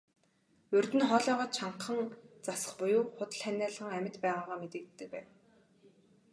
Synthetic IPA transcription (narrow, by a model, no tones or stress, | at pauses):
ɵrt̪ɘ̆nχɔːɮɔːʁɔːt̪̚t͡ɕʰaɴqə̆ŋt͡sasə̥̆χpʊjʊːχʊt̪ə̆ɮχænʲæːɮəʁə̆ŋæmʲɪ̆t̪pæːʁaːʁaːmet̪ĕkt̪ːɘ̆k̚pæːn